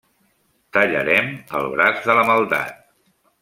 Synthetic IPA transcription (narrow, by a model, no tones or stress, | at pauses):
t̪əʎə̰ɾɛməlˠβɾazðələməlˠd̪a̰t̪̚